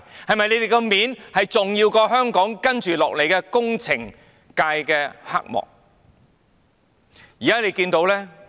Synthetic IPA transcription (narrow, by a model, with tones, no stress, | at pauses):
hɐ˨jmɐ˨jle˨˧jt̪e˨jkɔ˧miː˨˥nhɐ˨jt͡sʊ˨ŋjiː˧wkɔː˧ɦœː˥ŋkɔː˨˥ŋkɐ˥nt͡ʃyː˨lɔː˨k̚le˨jkɛː˧kʊ˥ŋt͡sʰɪ˨˩ŋ | kaː˧jkɛː˧ha̰˥k̚mɔ̰ː˨k̚ | jiː˨kaː˥le˨˧jkiː˧nt̪o˨˥wlɛː˥